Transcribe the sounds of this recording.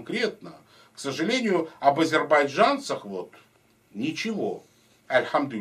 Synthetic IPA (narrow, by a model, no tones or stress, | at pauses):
kɾʲe̞t̪̚nə | ksəʐɨlʲenʲɪjʊɐbɐzʲɪrbɐjʐant̪səxvot̪ | nʲɪt͡ɕɪvo̞ | ɐlʲxamd̪ʊ